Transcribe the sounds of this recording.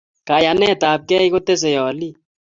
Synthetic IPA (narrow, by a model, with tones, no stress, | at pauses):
ka˨ja˨nɛ˦˨taː˨p̚kɛ˦i˦ko˦te˦s̬e˨jɔ˨li˦